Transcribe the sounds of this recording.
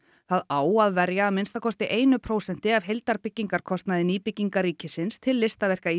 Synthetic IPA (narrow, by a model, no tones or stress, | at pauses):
θaðaːwaðvɛɾjaːðmɪnst̪akʰɔst̪ɪʔeːjnʏpʰɾoːwsɛn̥t̪ɪavɦejlt̪aɾpɪcːiŋkaɾ̥kʰɔst̪naðɪniːpɪcːiŋkaɾiːcɪsɪnst̪ʰɪlːɪst̪avɛr̥kai